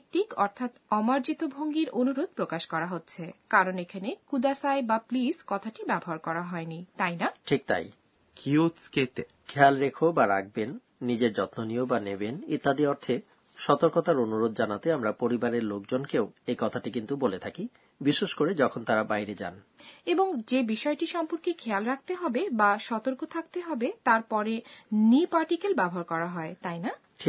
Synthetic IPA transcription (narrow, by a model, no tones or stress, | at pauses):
t̪ikɔɾt̪ʰat̪ɔmaɾd͡ʑit̪obʱoŋɡiɾonuɾod̪̚pɾokaʃkɔɾaɦotːɕʰekaɾonekʰanekud̪asaebapliskɔt̪ʰaʈibɛboɦaɾkɔɾaɦɔenit̪ajnaʈʰik̚t̪a̰j | kiot̪sket | kʰɛlɾekʰobaɾaɡ̚benː | id͡ʑeɾd͡ʑɔt̪noniobanebenit̪ːad̪iɔɾt̪ʰe | ʃɔt̪oɾkot̪aɾonuɾod̪̚d͡ʑanat̪eamɾapoɾibaɾeɾlok̚d͡ʑonkeoejkɔt̪ʰaʈikint̪ubolet̪ʰaki | biʃːeʃkoɾed͡ʑɔkʰont̪aɾabajɾed͡ʑa̰n | eboŋd͡ʑebiʃɔeʈiʃɔmpoɾkekʰɛalɾak̚ʰt̪eɦɔbebaʃɔt̪oɾkot̪ʰak̚t̪eɦɔbet̪aɾpɔɾenipaɾʈikelbɛbʱɦaɾkɔɾaɦɔet̪ajna | ʈʰi